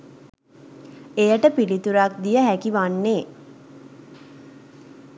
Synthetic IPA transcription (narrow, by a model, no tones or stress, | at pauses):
ejəʈəpilit̪uɾak̚d̪ijəɦækiʋanːeː